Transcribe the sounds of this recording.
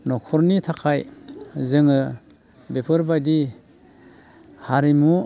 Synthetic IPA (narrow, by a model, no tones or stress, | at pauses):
nɔkʰɔɾnitʰakʰajzɯŋɯ | bepʰɯɾbajdi | haɾimu